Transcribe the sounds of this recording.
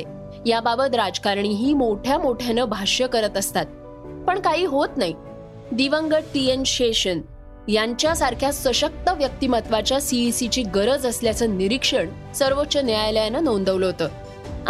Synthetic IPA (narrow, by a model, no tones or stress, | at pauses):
e | jababət̪ɾad͡zkaɾɳiːɦiːmoʈʰjamoʈʰjanəbʱaɕjəkəɾət̪əst̪at̪̚ | pəɳkaɦiːɦot̪naɦi | d̪iʋəŋɡəɽʈienɕeɕən | jaɲt͡ɕjasaɾkʰjasʋəɕək̚t̪əʋjək̚t̪imət̪ʋat͡ɕjasiisit͡ɕiːɡəɾəd͡zəsljat͡səːniɾikʂəɳ | səɾʋotːɕəneajljanənond̪əʋləɦot̪əː